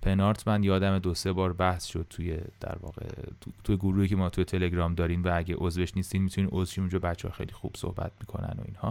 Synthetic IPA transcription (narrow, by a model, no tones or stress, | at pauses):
pʰenɒːɾt̪ʰmænd̪jɒːd̪æmed̪ose̞bɒːɾbæhsʃod̪̥̚t̪ʰujed̪̥æ̰ɾvɒ̰ːɣḛt̪ʰujeɡuɾuhiːcʰemɒːt̪ʰuje̞t̪ʰe̞leɡɾɒːmd̪ɒːɾiːmvææɟeʔozveʃnist̪iːd̪mit̪ʰunimʔozʃinund͡ʒɒːbæt͡ʃʰːeːxejlixṵb̥so̰hbæ̰t̪̚mikʰo̞̰næ̰no̞̰ḭːnhɒ